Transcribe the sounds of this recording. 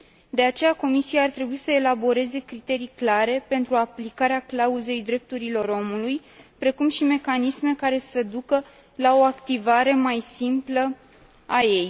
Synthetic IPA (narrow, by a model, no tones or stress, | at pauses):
d̪e̞at͡ʃe̞jako̞misijaart̪ɾe̞buisəe̞labo̞ɾe̞ze̞kɾit̪e̞ɾijklaɾe̞pe̞nt̪ɾuaplikaɾeaklauze̞jd̪ɾe̞p̚t̪uɾilo̞ɾo̞muluj | pɾe̞kumʃime̞kanisme̞kaɾe̞səd̪ukə | lao̞akt̪ivaɾe̞majsimplə | aje̞j